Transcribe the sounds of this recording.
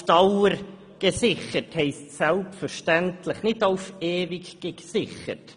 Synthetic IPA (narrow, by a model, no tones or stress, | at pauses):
tɑwəɾ | ɡ̥əsɪχəthɛɪstsɛlpfəɾʃtɛntʰlɪχnɪtaʊfeːvɪɡɡ̥əɡsɪχə̰t